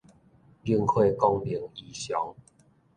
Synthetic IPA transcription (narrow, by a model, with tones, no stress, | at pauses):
li˥˧ŋhwe˥˧kɔ˧ŋli˨˦ŋi˨˩ɕjɔ˨˦ŋ